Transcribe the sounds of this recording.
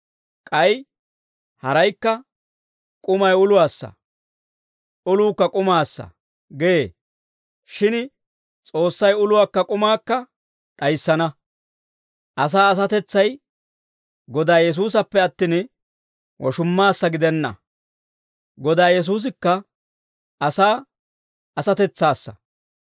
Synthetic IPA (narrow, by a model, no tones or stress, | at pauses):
kʼɐj | hɐɾɐjkːɐ | kʼʊmɐjʊlʊwaːsːɐ̰ | ʔʊluːkːɐkʼʊmaːsːɐ̰ | ɡeeː | ʃɪn | t͡sʼo̞ːsːɐjʊlʊwaːkːɐkʼʊmaːkːɐ | ᶑɐjsːɐnɐ | ʔɐs̬aːɐs̬ɐt̪ɛt͡sːɐj | ɡɔd̪aːjɛs̬uːs̬ɐpːɛɐt̪ːɪn | wʔɔ̰ʃʊmːaːsːɐɡɪd̪ɛnːɐ̰ | ɡɔd̪aːjɛs̬uːs̬ɪkːɐ | ʔɐsaː | ɐsɐt̪ɛt͡sːaːsːɐ̥̰